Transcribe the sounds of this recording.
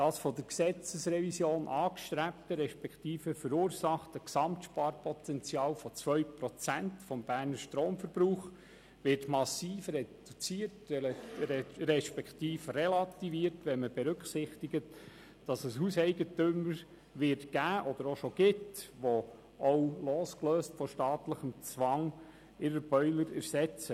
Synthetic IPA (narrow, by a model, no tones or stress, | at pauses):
d̥ɑːsfɔd̥əɾksɛt͡səsɾɛvisjoːnʔɑːkʃt̪ɾæp̚təɾɛʃpɛktiːfəfəɾuːɾsɑχtəksɑmtʃpɑːɾpɔt̪ɛnt͡sjɑːlfɔt͡sʋœɥpɾɔt͡sæntfɔmb̥æːɾnəɾʃtɾoːmfəɾb̥ɾuːχ | ʋɪrtmɑsiːfrɛd̥ut͡siːəɾt | ɾɛʃpɛkχtiːfrɛlɑt̪iviːəɾtʋɛnməb̥ɛɾɵkχsɪχtɪɡət | d̥ɑsəshusɛɪɡətʏməɾ | ʋɪɾtɡ̥æːʔɔd̥̪əɾoʃoɡ̥ɪtʋo | owloːskløːstfɔʃtɑːtləχəmt͡sʋɑŋ | ɪɾəɾb̥œʏləɾɛ̰ɾsɛt͡sə